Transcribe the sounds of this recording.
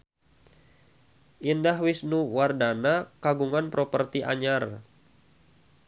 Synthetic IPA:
ʔindaɦwisnuwardanakaɡuŋanpɾopərt̪iʔa̰ɲar

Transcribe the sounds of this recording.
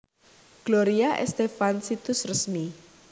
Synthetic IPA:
ɡ̥loɾiaʔɛ̰st̪efansit̪ʊsrəsmi

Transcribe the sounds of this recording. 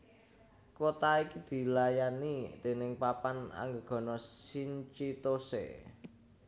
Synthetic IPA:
kot̪aikid̪̥i̤lajanit̪e̤nɪŋpapana̰ŋɡəɡ̥ɔ̤nɔsiɲt͡ʃit̪osḛ

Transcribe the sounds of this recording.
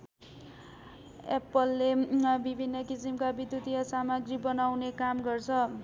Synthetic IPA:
epʌlːebibʱinːʌkisimkabid̪jut̪iʌsamaɡribʌnawnekamɡʌrt͡sʰʌ

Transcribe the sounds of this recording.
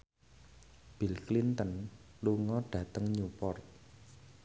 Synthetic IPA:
b̥ilklint̪ənluŋɔɖ̥ä̤t̪əŋɲupɔrt̪̚

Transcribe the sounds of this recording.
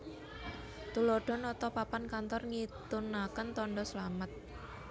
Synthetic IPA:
t̪uloɖ̥ɔ̤nɔt̪ɔpapankant̪ɔrŋit̪unakənt̪ɔɳɖɔslamət̪̚

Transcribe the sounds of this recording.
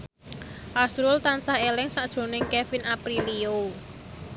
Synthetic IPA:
ʔasɾʊlt̪ant͡ʃahelɪŋsaʔd̥ʒ̥o̤nɪŋkɛfinapɾilio

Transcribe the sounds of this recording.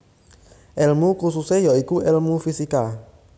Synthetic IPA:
ɛlmukususɛjɔikuʔɛlmufisika

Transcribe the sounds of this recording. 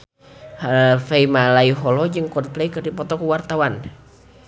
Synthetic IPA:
halfeimalaiɦɔlɔd͡ʒɨŋkɔnplɛkɨrdipɔt̪ɔkuwart̪awan

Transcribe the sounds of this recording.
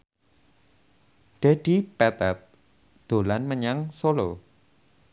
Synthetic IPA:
ɖ̥eɖ̪̥i̤pɛt̪ɛt̪̚ | d̪̥o̤lanməɲaŋsolo

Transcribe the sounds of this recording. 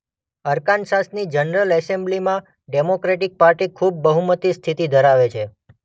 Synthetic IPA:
əɾkansasnid͡ʒənɾəlɛsemblimã | ɖemokɾeʈik̚paɾʈikʰub̚ːəɦumət̪ist̪ʰit̪id̪ʱəɾaʋet͡ʃʰe

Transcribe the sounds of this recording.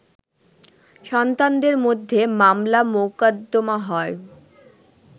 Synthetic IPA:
ʃɔnt̪and̪eɾmod̪ʱːemamlamokad̪ːomaɦɔe

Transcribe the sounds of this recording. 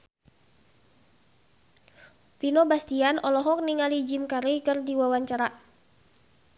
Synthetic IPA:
pinɔbast̪ianʔɔlɔɦɔk̚niŋalid͡ʒimkaɾikɨrdiwawaɲt͡ʃaɾa

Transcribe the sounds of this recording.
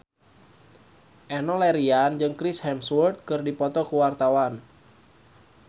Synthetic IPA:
ʔɛnɔlɛɾiand͡ʒɨŋkɾishɛmswurt̪̚kɨrdipɔt̪ɔkuwart̪awan

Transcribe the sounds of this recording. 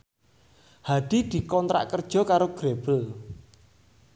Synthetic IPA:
had̪̥i̤d̪̥i̤kɔnt̪ɾa̰ʔkərd̥ʒ̥ɔ̤kaɾoɡ̥ɾeb̥əl

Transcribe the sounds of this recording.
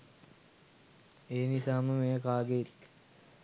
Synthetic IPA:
eːnisaːməmejɐkaːɡet

